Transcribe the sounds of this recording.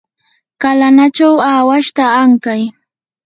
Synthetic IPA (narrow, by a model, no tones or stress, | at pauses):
kalanat͡ʃawaːwaʃt̪aːŋkaj